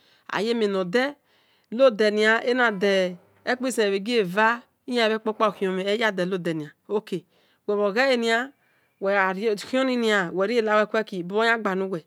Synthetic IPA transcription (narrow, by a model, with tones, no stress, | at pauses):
a̰˨je˦me˨no˨dɛ˦ | lo˦dɛ˨ni˨a˨ʔe˦na˨dɛ˨ | e˦k͡pe˦˨se˨e˨βe˨ɡe˦˨va˦ | i˦ja˦˨βe˦k͡po˦k͡pa˦˨ki˨o˨me˨e˦ja˦˨dɛ˨lo˦˨dɛ˨ni˨a˨o˦ke˨ | wɛ˨βo˨ɣɛ˦e˨ni˦a˦ | wɛ˨ɾki˦o˦ni˦ni˦a˨wɛ˨ɾi˦e˦˨la˨˦we˦kʷɛ˦ki˨bo˦o˦a˦ɡ͡ba˨nu˦ɡʷɛ˨